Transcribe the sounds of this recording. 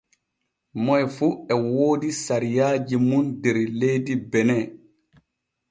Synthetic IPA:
mɔjfuɛwoːdisaɾijaːd͡ʒimundɛɾlejdibɛnɛ

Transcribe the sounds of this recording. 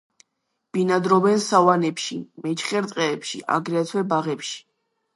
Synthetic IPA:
b̥inad̪ɾɔbɛnsavanɛpʃimɛt͡ʃʰχɛɾt̪ʼqʼɛːpʃḭʔa̰ɡɾɛat̪ʰwɛbaʁɛpʃi̥

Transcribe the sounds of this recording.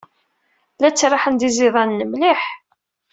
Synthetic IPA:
læt͡sːɾˤɑħənd̪izɪðˤɑnːəmliħ

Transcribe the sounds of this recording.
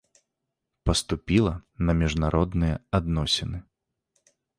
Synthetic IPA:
pɐst̪upʲilˠɐnɐmʲiʐnaɾʔɔd̪nɨjɛad̪nɔsʲinɨ

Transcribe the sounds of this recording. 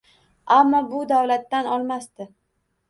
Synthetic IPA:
amːɒbʊd̪avlat̪ːanɒlˠmast̪ɪ

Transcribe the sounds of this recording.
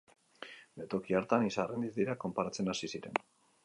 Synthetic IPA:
bet̪o̞kiaɾt̪anisarend̪izd̪iɾako̞mpaɾat͡se̞nasisiɾe̞̰n

